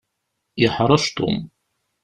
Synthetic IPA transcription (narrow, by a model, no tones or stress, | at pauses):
jəħɾˤɑʃt̪ṵm